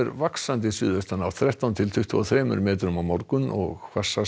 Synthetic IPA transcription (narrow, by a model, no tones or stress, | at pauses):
ɛɾvaksant̪̬ɪsʏːðvœst̪anawθɾɛht̪awnt̪ʰɪlt̪ʰʏht̪ʏɔθɾɛːmʏ̰ɾmɛːt̪ɾʏmawmɔɾkʏnɔ̰ɣkʰvasa